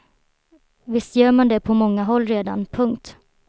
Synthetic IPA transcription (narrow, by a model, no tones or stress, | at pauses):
vɪst̪jœːɾmand̪ɛpʰɔmɔŋːaɦɔlːɾeːd̪a̰npʰɵŋkt̪